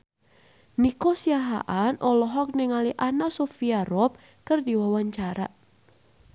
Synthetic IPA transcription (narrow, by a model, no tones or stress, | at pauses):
nikosiaɦa̰ʔanʔɔlɔɦɔk̚nɛŋaliʔanasofiaɾɔp̚ | kɨrdiwawaɲt͡ʃaɾa̰